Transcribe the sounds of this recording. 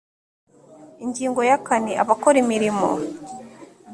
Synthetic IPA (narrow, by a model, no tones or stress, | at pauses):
iɲɟiːŋɡo̞jakaniʔa̰βakoɾimiɾimo̰